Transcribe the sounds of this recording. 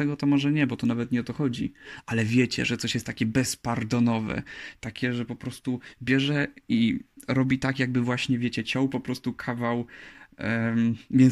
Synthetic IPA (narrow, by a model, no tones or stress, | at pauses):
t̪ɛɡɔt̪ɔmɔʐɛɲɛbɔt̪ɔnavɛt̪ɲɛɔt̪ɔxɔd͡ʑḭʔalɛvʲjet͡ɕɛ̰ʐɛt̪sɔɕjɛst̪ːakʲɛbɛspaɾd̪ɔnɔvɛ̰t̪akʲɛʐɛpɔpɾɔst̪ubʲjɛʐɛiɾɔbʲit̪akjaɡ̚bɘvwaɕɲɛvʲjet͡ɕɛt͡ɕɔ̃wpɔpɾɔst̪ukʰavaw | mʲjɛ